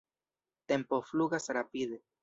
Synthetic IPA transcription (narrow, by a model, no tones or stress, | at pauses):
t̪e̞mpofluɡasɾapide̞